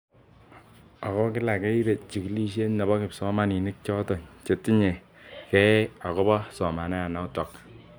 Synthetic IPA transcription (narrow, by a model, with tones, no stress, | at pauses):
a˨kɔ˦kɪ˦la˨kɛ˦i˦ɾe˨t͡ʃi˨ki˨˦li˦ʃ̬e˦nnɛ˨bɔ˦kɪ˨psɔ˦ma˦ni˨nɪ˦k̚t͡ʃɔ˦tɔ˨ɲt͡ʃe˨ti˦ɲe˨ | kɛ˦a˨kɔ˦bɔ˦sɔ˨ma˨nɛ˦a˨nɔ˨˦tɔ˨k